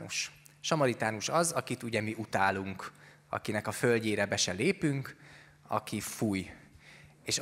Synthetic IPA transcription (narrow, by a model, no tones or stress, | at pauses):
uʃ | ʃɒmɒɾit̪aːnuʃɒzɒkit̪uɟɛmiʔut̪aːluŋk | ɒ̰kinɛkɒfølɟeːɾɛbɛʃɛleːpyŋk | ɒ̰kifuj | eːʃ